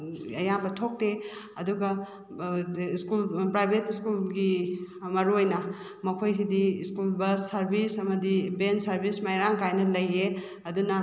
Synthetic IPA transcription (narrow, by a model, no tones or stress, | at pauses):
ɐ̰jambɐtʰok̚te | ɐduɡɐ | skulpɾajbʱetiskulɡi | mɐɾuojnɐ | mɐkʰojs̬idiskulbɐssɐɾbisɐmɐdibensɐɾbismajɾaŋkajnɐlɐje | ɐdunɐ